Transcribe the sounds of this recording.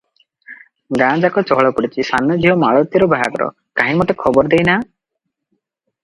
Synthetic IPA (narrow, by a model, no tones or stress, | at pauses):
ɡãd͡ʒakɔt͡ʃɔɦɭɔpuɽit͡ʃʰisanːɔd͡ʒiɦɔmaɭɔt̪jɔɾɔbaɦa̰ɡɔɾɔ̰ | kaɦĩmɔt̪ekʰɔbɔɾd̪ejna